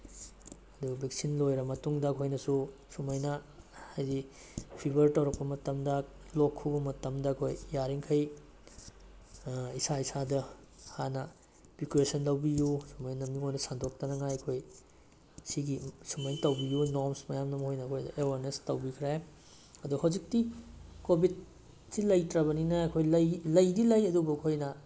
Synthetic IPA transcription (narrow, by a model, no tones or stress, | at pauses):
ɐduɡɐbʱik̚sinlojɾɐmɐtuŋdɐːkʰojnɐsusumɐjnɐhajdi | pʰibɐɾtɐwɾɐk̚pɐmɐtɐmdɐ | lokʰːubɐmɐtɐmdɐɐkʰojjaɾiŋkʰɐj | isaisadɐ | hanɐ | pikuesɐnlɐwbijusumɐjnɐmiŋojnɐsandok̚tɐnɐŋajɐkʰoj | siɡisumɐjntɐwbijunoɾmsmɐjamnɐmɐhojnɐɐkʰojdɐʔewɐɾnestɐwbikʰɾa | ɐduhawd͡ʒik̚tikobid̚ | silɐjtɾɐβɐninɐɐkʰojlɐjlɐjdilɐjɐdubɐɐkʰojnɐ